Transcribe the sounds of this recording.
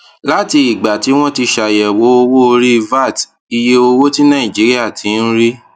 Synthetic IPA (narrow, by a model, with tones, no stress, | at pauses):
la˨˦ti˧i˨ɡ͡ba˨ti˨˦w̃ɔ̃˦ti˧ʃa˨jɛ˨wo˨˦o˧wo˦o˧ɾi˦˧va˦˨t | i˧je˦o˧wo˦ti˦nã˦˨ĩ˨d͡ʒi˨˦ɾi˦a˦˨tʰĩ˨˦˧n̩˦ɾi˦